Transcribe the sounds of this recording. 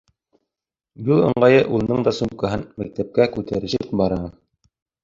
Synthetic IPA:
julˠɤ̰̆ɴɢɑjɤʔulˠnɤɴd̪ɑsup̚kɑɦɤnmæk̚t̪æp̚kækʉt̪æɾɘ̆ʃɘp̚bɑɾɑ

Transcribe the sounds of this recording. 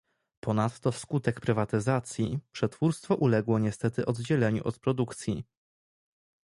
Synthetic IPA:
pɔnat̪ːɔfskut̪ɛkpɾɘvat̪ɘzat̪sʲjipʂɛt̪fuɾst̪fɔʔulɛɡwɔɲɛst̪ɛt̪ɘʔɔd̪d͡ʑɛlɛɲṵʔɔt̪pɾɔd̪ukt̪sʲji

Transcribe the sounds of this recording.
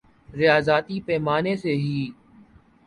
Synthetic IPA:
ɾɪjaːzaːt̪ipɛːmaːneseɦiː

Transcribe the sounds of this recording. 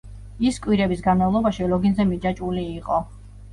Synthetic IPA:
iskʼwiɾɛbisɡanmavlˠɔbaʃilɔɡinzɛmid͡ʒat͡ʃʼuliːqʼɔ

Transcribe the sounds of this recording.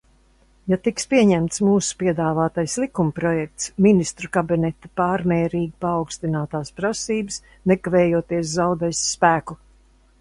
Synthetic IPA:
jat̪ikspiɛɲɛmt̪smuːsu̥piɛd̪aːvaːt̪ajslˠikumpɾɔjɛk̚t̪sminist̪ɾukabinɛt̪ɐpaːɾmɛːɾiːɡʲipaːwkst̪inaːt̪aːspɾasiːbɨs | nɛkavɛːjuɔt̪iɛs̬zawd̪ɛjsːpæːku

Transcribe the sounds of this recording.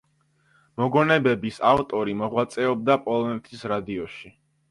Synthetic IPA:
mɔɡɔnɛbɛbisaft̪ʼɔɾimɔʁwat̪sʼɛɔb̚d̪apʼɔlˠɔnɛt̪ʰisɾad̪iɔʃi

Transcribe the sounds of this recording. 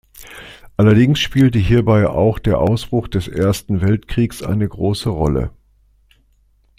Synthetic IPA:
ʔalɐdɪŋsʃpiːltəɦiːɐbaɪʔa̰ʊxd̥eːɐʔaʊsb̥ʁ̥ʊχd̥ɛsʔḛːɐstn̩vɛltkʁ̥iːksʔa̰ɪnəɡʁoːsəʁɔ̰lə̰

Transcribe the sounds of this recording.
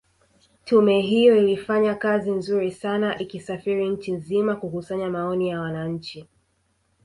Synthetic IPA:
tʰumɛɦijɔilifaɲakazinzuɾisanaʔikisafiɾiɲ̩t͡ʃinzimakukusaɲamaɔnijawanaɲ̩t͡ʃi

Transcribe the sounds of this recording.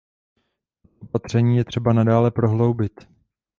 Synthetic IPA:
ʔopat̪r̝̥ɛɲiːjɛt̪r̝̥ɛbanadaːlɛpɾo̞ɦlo̞wbɪt̪

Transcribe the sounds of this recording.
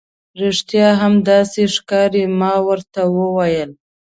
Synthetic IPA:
ɾeʂt̪jɑɦamd̪ɑseʂkɑɾemɑwəɾt̪awəwajəl

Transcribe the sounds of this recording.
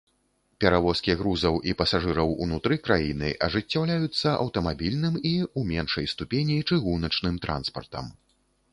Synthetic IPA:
pʲɛɾavɔskʲiɣɾuzɐwʔipɐsaʐɨɾɐwṵnut̪ɾɨkɾajinɨ̰ʔɐʐɨt͡sʲːawlʲajut̪sːɐʔɐ̰wt̪ɐmabʲilʲnɨmiumʲɛnʂɐjst̪upʲenʲit͡ʂɨɣunɐt͡ʂnɨmt̪ɾa̰nspɐrt̪ɐ̰m

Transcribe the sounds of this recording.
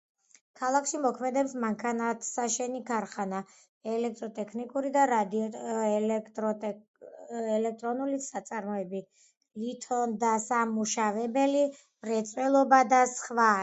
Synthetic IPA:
kʰalˠakʰʃimɔkʰmɛd̪ɛpsmaŋkʰanat̪ʰsaʃɛnikʰaɾχana | ɛlɛk̚t̪ʼɾɔt̪ʼɛkʰnikʼuɾid̪aɾad̪ | tʼ | ɛlɛk̚ʰt̪ʼɾɔnulisat̪sʼaɾmɔɛbi | lit̪ʰɔnd̪asamuʃavɛbɛli | ɾɛt̪sʼwɛlˠɔbad̪asχva

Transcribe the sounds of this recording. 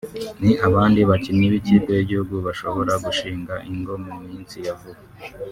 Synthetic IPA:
niaβaːndiβacimiβiciːkojiɟihuɡuβaʃo̞βo̞ɾaɡuʃiːŋɡaʔiŋɡo̞mumiːnsijavuha

